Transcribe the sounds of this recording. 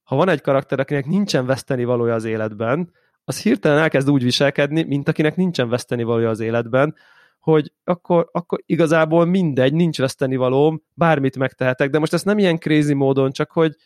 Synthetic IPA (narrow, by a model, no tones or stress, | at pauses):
hɒvɒnɛɟkɒɾɒk̚t̪ɛɾɒkinɛknint͡ʃɛɱvɛst̪ɛnivɒloːjɒːzeːlɛd̪bɛn | ɒshirt̪ɛlɛnɛlkɛzd̪uːɟʋiʃɛlkɛd̪nimint̪ɒkinɛknint͡ʃɛɱvɛst̪ɛnivɒloːjɒːzeːlɛd̪bɛn | ho̞ɟɒkːo̞ɾɒkːo̞ɾiɡɒzaːboːlmind̪ɛɟnint͡ʃʋɛst̪ɛnivɒloːm | baːrmit̪mɛkt̪ɛɦɛt̪ɛɡ̚d̪ɛmo̞ʃt̪ɛst̪nɛmijɛŋkreːzimoːd̪o̞nt͡ʃɒkho̞ɟ